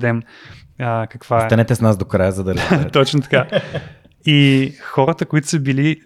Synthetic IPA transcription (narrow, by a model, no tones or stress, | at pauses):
d̪ɛm | əkɐkv̥asɛɐnɛt̪ɛsnasd̪okɾajəzɐd̪ɐɾt̪ɔt͡ʃnot̪ɐ̥ka | ixɔɾət̪əkoit̪ʊ̥səbili